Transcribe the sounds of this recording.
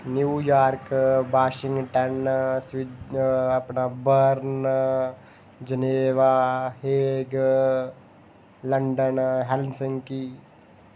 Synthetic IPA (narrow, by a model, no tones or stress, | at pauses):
njuːjaːɾkbaːʃɪ̃ŋɡʈɐnsʋid̪ɐpnabəɾn | d͡ʒəneːʋaheːɡ | lɐɳɖənɦɛlnsəŋki